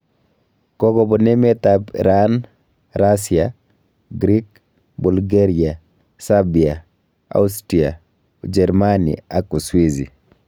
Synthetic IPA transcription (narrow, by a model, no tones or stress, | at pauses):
kɔɡɔbɔnɛmet̪apɾan | ɾasia | ɡɾik̚ | bulɡeɾia | sabia | a̰ustɾia̰ | d͡ʒɛɾmanḭakuswizḭ